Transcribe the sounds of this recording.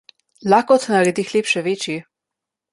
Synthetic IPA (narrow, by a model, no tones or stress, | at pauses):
laːkɔt̪naɾɛd̪ixleːpʃɛʋeːt͡ʃi